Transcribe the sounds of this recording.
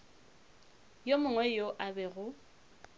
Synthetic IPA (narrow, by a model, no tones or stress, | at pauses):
jomʊŋwɛjoʔabɛɣʊ